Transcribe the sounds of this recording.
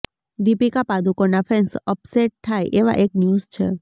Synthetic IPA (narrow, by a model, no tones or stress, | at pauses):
d̪ipikapad̪ukonafʰensəpseʈ̚ʈ̪ʰajʔeʋa̰ʔeknjuzt͡ʃʰe